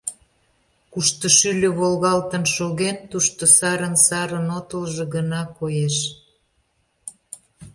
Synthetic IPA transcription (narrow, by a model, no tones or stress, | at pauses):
kuʃt̪oʃylʲøβolɣɑlt̪ənʃoɣent̪uʃt̪osɑɾənsɑɾənot̪əlʒĕɣənɑkojeʃ